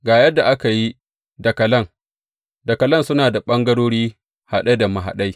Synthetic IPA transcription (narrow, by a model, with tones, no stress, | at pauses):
ɡaː˨jɐ˦dːa˨ʔa˦ka˨ji˦ | dɐ˨kɐ˨lɐ˦ŋ | dɐ˨kɐ˨lɐ˦˨nsʊ˦naː˨da˨ɓɐ˦ŋɡɐ˦ɽoː˦ɽiː˦ | ha˨ɗɐ˦jda˨ma˨ɦa̰˨ɗa˦j